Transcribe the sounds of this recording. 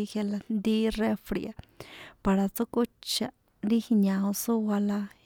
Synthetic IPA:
i˧he˧la˧nd̪i˦re˦fɾḭ˨a˧pa˨ɾa˨t͡su˦ku˦t͡ʃa˧ | ɾi˦hi˧ɲã˨ũ˧su˦wa˧la˧

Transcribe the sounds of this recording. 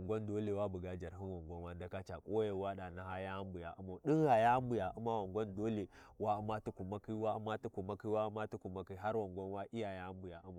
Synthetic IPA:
ŋɡʷo˦ndo˦le˨wa˦bu˨ɡa˦d͡ʒa˨ɾɦi˦nwo˨ŋɡʷo˦nwa˦nda˨ka˦t͡ʃa˨kʼo˦je˦wa˦ɗa˨na˦ha˦ja˦mbu˨ja˨ʔu˦ma˨ɗi˦ŋha˨ja˦mbu˨ja˨ʔu˦ma˦wa˨ŋɡʷo˦ndo˦le˨wa˦u˦ma˦tu˦ku˨ma˦ki˦wa˦u˦ma˦tu˦ku˨ma˦ki˦wa˦u˦ma˦tu˦ku˨ma˦ki˦ɦa˦ɾwo˨ŋɡʷo˦nwa˦ʔi˦ja˨ja˦mbu˨ja˨ʔu˦ma˨

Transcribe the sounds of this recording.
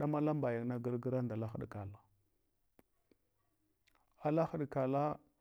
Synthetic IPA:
ɗa˦ma˦la˦mba˨ja˨na˦ɡə˦ɾɡə˦ɾa˦nda˨la˦xə˦ɗka˨la˨ | a˨la˦xə˦ɗka˨la˦

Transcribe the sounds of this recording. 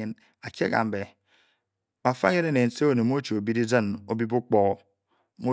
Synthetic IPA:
e˨n | a˨kḛ˦ka̰˨m̩˨be˨ | ba˨fa˦ɲe˦ne˦ne˨n̩˦se˦o˦˨ne˨mo˦t͡ʃo˨o˨bi˦di˦d͡zə˦no˦bi˦bu˦k͡pɔ˦ | mo˦

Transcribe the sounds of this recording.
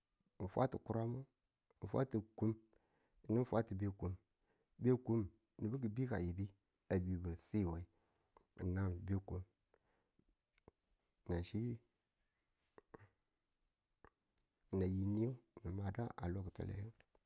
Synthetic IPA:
n˨fwa̰˦ti˨ku˦ɾa˦mu˦˨ | n̩˨fa̰˦ti˨ku˦m˨ | ni˦n̩˦fa˦ti˨be˦ku˦m | be˦ku˦m | ni˨bi˦k̬i˨bi˦ka˨ji˨bi˦ | a˨bu˨bə˨si˦˨wa˨i˨ | na˦m˨be˦ku˦m˨ | na˨ʃi˦˨ | na˨ji˨ni˦o˦ni˨ma˨da˦ʔa̰˨lo˦kto̰˨lḛ˨jo˦

